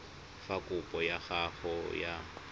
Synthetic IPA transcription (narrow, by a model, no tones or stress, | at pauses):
fakʼʊpʼɔjaχaχɔja